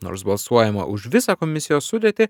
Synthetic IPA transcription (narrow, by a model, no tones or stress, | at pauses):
no̰ːɾsbɐlˠsuɔjɛmɐ̰ʔʊʃʋʲɪsɑkɔmʲɪsʲɪjoːsːʊd̪ʲeɛt̪ʲɪ